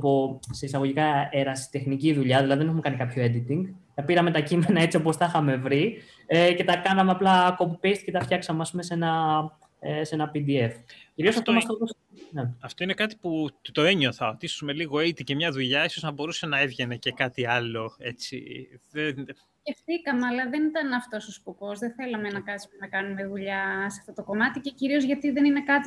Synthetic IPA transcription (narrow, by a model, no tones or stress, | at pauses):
poseisɐɣo̞ʝikɐeɾɐsi̥t̪e̞xniciðuʎɐðilɐðiðeneume̞kɐnikɐpço̞e̞d̪it̪iŋɡt̪ɐpiɾɐme̞t̪ɐcime̞nɐe̞t͡siopo̞sθɐxɐme̞vɾi | ece̞t̪ɐkɐnɐmeɐplɐko̞pupest̪i̥ce̞t̪ɐfçɐksɐmeɐspume̞se̞nɐ | se̞nɐpid̪ie̞fciɾiosɐft̪omɐst̪ot̪os | neɐft̪o̞inekɐt̪i̥put̪o̞eɲoθɐot̪isume̞liɣo̞it̪ice̞mɲɐðuʎɐiso̞znɐbo̞ɾuse̞nɐevʝenecekɐt̪iɐlo̞e̞t͡sḭðen | ce̞ft̪ikɐmeɐlɐðe̞nit̪ɐnɐft̪o̞sospuko̞zðeθe̞lɐmenɐkɐsmnɐkɐnume̞ðuʎɐsɐft̪o̞t̪o̞ko̞mɐt̪ice̞ciɾiozʝɐt̪iðe̞nine̞kɐt̪i